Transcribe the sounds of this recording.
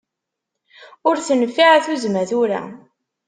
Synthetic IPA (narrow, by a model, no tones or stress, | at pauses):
ʊɾθənfːiʕaθuzmæθuɾa̰